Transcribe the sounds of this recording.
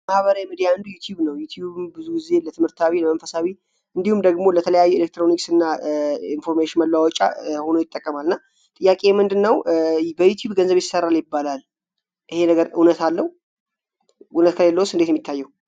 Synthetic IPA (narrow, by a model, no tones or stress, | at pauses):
mahβəɾawjmid̪ijaɨnd̪ujut̪ʰjuβnəwjut̪ʰjuβɨmbɨzuɡize̞lət̪ʰɨmhɨɾt̪ʰawiləmənfəsawi | ɨnd̪ihumd̪əɡmo̞lət̪ʰələjajːuelek̚t̪ɾoniksɨnːainfo̞ɾmeʃɪnməlːawɔt͡ʃʼːa̰ho̞nojɪt̪ʼːəkʼːəmalɨnːa | t̪ʼɨjːakʼejɛmɨnd̪ɨnːəwbəjut̪ʰjuβɡənzəβjɪsːərːaljɪbːalal | ʔɨhe̞nəɡəɾunət̪alːəh | ʔunət̪kʰəlelːəwusɨnd̪et̪jɛmːit̪ʰːajːɛhu